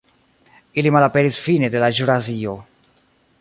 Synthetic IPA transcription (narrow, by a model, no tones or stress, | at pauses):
ilimalapeɾisfined̪elaʒuɾazio